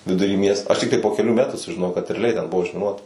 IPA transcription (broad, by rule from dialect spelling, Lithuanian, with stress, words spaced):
ʋʲɪdʊˈrʲiː ˈmʲiɛstoː ɐʃ ˈtʲɪktɐɪ poː kʲɛˈlʲuː ˈmʲæːtuː sʊʒʲɪˈnoːjɛʊ kɐt rʲɛɐˈlʲɛɪ tʲɛn ˈbʊʋoː ʊʒʲmʲɪˈnuɔtɐ